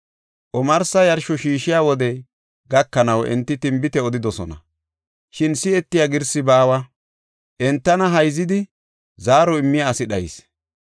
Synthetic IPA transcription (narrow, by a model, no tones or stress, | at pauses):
ʔɔmɐɾsɐjɐɾʃɔʃiːʃɪjaːwɔd̪ɛ | ɡɐkːɐnɐwʔɛ̰nt̪ːɪt̪ɪmbɪt̪ɛɔd̪ɪd̪ɔsɔ̰nɐ | ʃɪnsɪɛt̪ːɪjaɡɪɾsɪbaːwɐ | ʔɛnt̪ːɐnɐɦɐjzɪd̪ɪ | zaːɾɔɪmːɪjaːsɪɗɐjɪ̰s